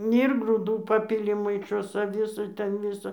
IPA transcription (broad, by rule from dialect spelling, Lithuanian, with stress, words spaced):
ɪr ɡruːˈduː ˈpɑːpʲɪlʲɪ mɐɪˈʃoːsʲɛ ˈʋʲɪsɐ ˈtʲɛn ˈʋʲɪsɐ